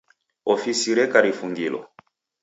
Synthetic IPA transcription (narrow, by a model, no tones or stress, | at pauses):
ɔfisiɾɛkaɾifuŋɡilɔ̰